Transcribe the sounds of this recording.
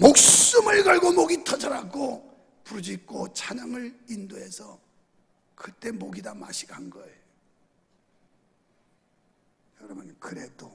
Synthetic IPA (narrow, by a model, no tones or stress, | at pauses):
mok̚s͈ɯmɯɭɡʌɭɡomoɡitʰʌd͡ʑʌɾaɡo | puɾd͡ʑik͈ot͡ɕʰaɲʌŋɯɭindoɦe̞sʰʌ | kɯt͈e̞moɡidama̰ɕʰi̥kanɡʌe | kʌɾʌmɯnkɯɾe̞do